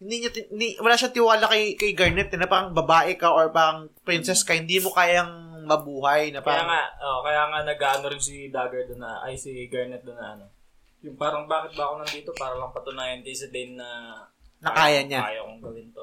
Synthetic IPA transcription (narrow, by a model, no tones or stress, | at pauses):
hɪnd̪iːɲɐt̪ɪd̪iwɐlaːʃɐt̪ɪwaːlakɐjkɐjɡɐɹnɛt̪̚ːɪnɐpaːɾɐŋbɐbaːʔɛkaʔoɹpaːɾɐŋ | pɾɪnsɛskɐhɪnd̪iːmokaːjɐŋ | mɐbuːɦɐjnɐpaɐjaːŋaoʔkɐjaːŋɐnɐɡaːʔɐnoɾɪnsid̪aːɡɐɹd̪ʊnːɐʔɐ̰jsiɡɐɹnɛt̪̚d̪ʊnɐʔɐno̞ | jʊŋpaːɾɐŋbaːkɪt̪̚bɐʔkonɐnd̪iːt̪o̞paːɾɐbɐŋpɐt̪ʊnaːjɐnd̪isɐd̪ɛnːɐ | nɐkaːjɐɲajokʊŋɡɐwɪnt̪o